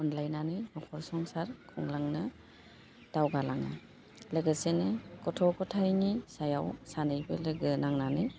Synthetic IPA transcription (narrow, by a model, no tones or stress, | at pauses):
ɔnlajnanɯjnɔkʰɔɾsɔŋsaɾkʰɔŋlaŋnɯ | d̥awɡalaŋa̰ | leɡɯsenekɔtʰɔkɔtʰajnisajawsanɯjbɯleɡɯnaŋnanɯj